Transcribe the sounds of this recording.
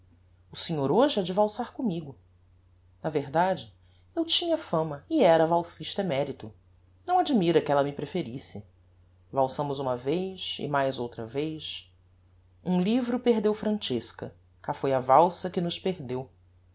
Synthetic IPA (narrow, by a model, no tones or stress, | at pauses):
ʊsẽɲoɾoʒɪɛd͡ʒɪvawsaɾkõmiɡʊ | nɐveɦd̪ad͡ʒɪ | ewt͡ʃĩɲɐfɐ̃mɐiɛɾɐvawsiʃt̪ɐɛmɛɾit̪ʊ | nɐ̃w̃ad͡ʒimiɾɐkɪɛlɐmɪpɾefeɾisɪ | vawsɐ̃mʊzũmɐvejsɪ̰majzowt̪ɾɐ̰vejs | ũlivɾʊpeɦd̪ewfɾɐ̃nt͡ʃeskɐ̰ | kafojɐvawsɐkɪnʊʃpeɾd̪ew